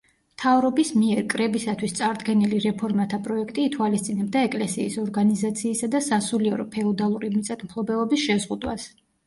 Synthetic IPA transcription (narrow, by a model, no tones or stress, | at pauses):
mt̪ʰavɾɔbismiɛɾkʼɾɛbisat̪ʰwist̪sʼaɾd̪ɡɛniliɾɛpʰɔɾmat̪ʰapʼɾɔɛkʰt̪ʼiːt̪ʰwalist̪sʼinɛb̚d̪aɛkʼlɛsiːsɔɾɡanizat̪sʰiːsad̪asasuliɛɾɔpʰɛɔd̪alˠuɾimit̪sʼat̪ʰʼmpʰlˠɔbɛlɔbisʃɛzʁud̪wa̰s